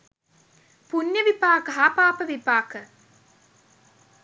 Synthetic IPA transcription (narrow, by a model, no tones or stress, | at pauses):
punjəʋipaːkəɦapaːpəʋipaːkə